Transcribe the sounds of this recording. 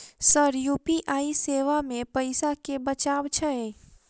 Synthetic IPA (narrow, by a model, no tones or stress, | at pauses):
səɾjupiʔaːiseːʋamẽpəɪsakebət͡ʃaːʋt͡ʃʰəe